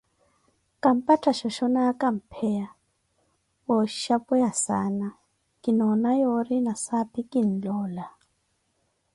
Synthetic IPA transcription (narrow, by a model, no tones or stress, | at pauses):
kʼam̩patʰaʃɔʃɔnakʼam̩pʰɛja | wɔʃapɔjasa̰na | kʼinɔnajɔɾinasapikʼin̩lɔːla